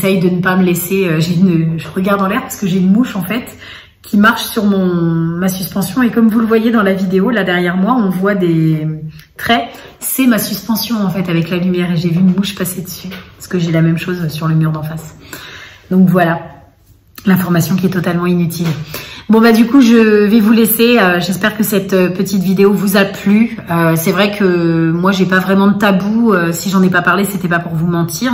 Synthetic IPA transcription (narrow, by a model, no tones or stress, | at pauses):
esɛjd̪ənəpaməlɛseøʒeynəʒəʁəɡaʁd̪ɑ̃lɛʁpaʁsə̥kəʒeynmuʃɑ̃fɛt̪ | kʲʰimaʁʃsyʁmɔ̃masyspɑ̃sjɔ̃ekɔmvuləvwajed̪ɑ̃lavid̪eolad̪ɛʁjɛʁmwaɔ̃vwad̪e | t̪χɛ | sɛmasyspɑ̃sjɔ̃ɑ̃fɛt̪avɛklalymjɛʁeʒevyːnmuʃpased̪əsypaʁsə̥kəʒɛlamɛmʃozsyʁləmyʁd̪ɑ̃fas | d̪ɔ̃kvwala | lɛ̃fɔʁmasjɔ̃kʲiɛt̪ɔt̪almɑ̃inyt̪ʰilbɔ̃bad̪ykuʒəvɛvuleseøʒɛspɛʁkəsɛt̪øpət̪it̪vid̪eovuzaplyøsɛvʁɛkʰəmwaʒepavʁɛmɑ̃d̪ət̪abuøsiʒɑ̃nɛpapaʁleset̪ɛpapuʁvumɑ̃t̪iʁ